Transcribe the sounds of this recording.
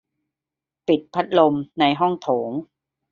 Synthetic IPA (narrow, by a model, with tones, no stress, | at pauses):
pi˨˩t̪̚pʰa˦˥t̪̚lo˧mna˧jɦɔ˥˩ŋt̪ʰoː˩˦ŋ